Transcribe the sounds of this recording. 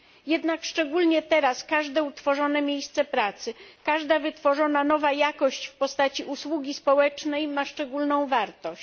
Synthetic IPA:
jɛd̪nakʂt͡ʂɛɡulɲɛt̪ɛɾaskaʐd̪ɛut̪fɔʐɔnɛmʲjejst̪sɛpɾat̪sɘkaʐd̪avɘt̪fɔʐɔnanɔvajakɔɕt͡ɕfpɔst̪at͡ɕiʔuswuɡʲispɔwɛt͡ʂnɛjmaʂt͡ʂɛɡulnɔ̃w̃vaɾt̪ɔ

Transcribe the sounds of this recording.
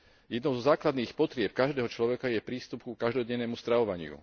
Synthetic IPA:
jɛd̪nɔʊzɔzaːklad̪niːxpɔt̪ɾɪɛp̚kaʒd̪ɛːɦɔt͡ʃlɔʋɛkajɛpɾiːst̪upkukaʒd̪ɔɟɛnːɛːmust̪ɾaʋɔʋaɲɪṵ

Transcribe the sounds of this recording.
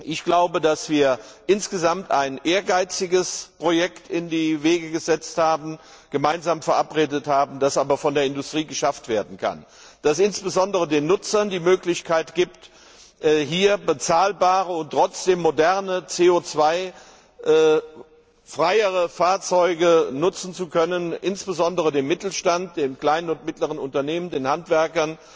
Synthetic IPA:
ʔɪçɡ̥laʊbədasv̥iːɐʔɪnsɡ̥əzamtaɪnʔeːɐɡaɪt͡sɪɡəspʁ̥ojɛktɪndiːveːɡəɡəzɛt͡sthaːbn̩ | ɡ̥əmaɪnzaːmfɛɐʔapʁeːdəthaːbm̩d̥asʔaːbɐfɔndeːɐɪndʊstʁ̥iːɡəʃaftv̥eːɐdn̩kʰa̰n | d̥asɪnsb̥əzɔndəʁədeːnːʊt͡sɐndiːmøːklɪçkʰaɪtɡ̥iːpt | ʔɦiːɐbət͡saːlbaːʁəʊntʁ̥ɔt͡sd̥eːmːodɛɐnət͡seːot͡sv̥aɪ | ʔ | fʁ̥aɪəʁəfaːɐt͡sɔʏɡənʊt͡sn̩t͡sukʰœnənʔɪnsb̥əzɔndəʁədeːnmɪtl̩ʃtant̚d̥eːmkl̥aɪnənʊntmɪtləʁənʊntɐneːməndeːnhantv̥ɛɐkɐn

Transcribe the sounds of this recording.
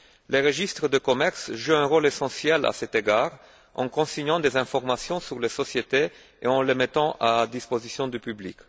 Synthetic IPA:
leʁəʒist̪χəd̪əkomɛʁsʒuɛ̃ʁolesɑ̃sjɛla̰sɛt̪eɡaːʁ | ɑ̰̃kɔ̃siɲɑ̃d̪ezɛ̃fɔʁmasjɔ̃syʁlesɔsjet̪e | eɑ̃lemet̪ɑ̃ʔad̪ispozisjɔ̃d̪ypyblḭk

